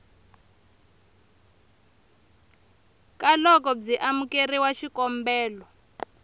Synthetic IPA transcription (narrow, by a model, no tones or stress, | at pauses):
kalɔk̬ɔb͡ʐiʔamukeriwaʃikɔmbɛːlɔ